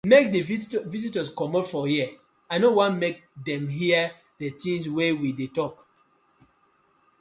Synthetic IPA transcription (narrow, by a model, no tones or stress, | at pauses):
mek̚dəvizitəskɔmɔdfɔjiə | aɪnowãnmek̚dɛ̃mɦiə | dətĩŋs̬wewidetɔk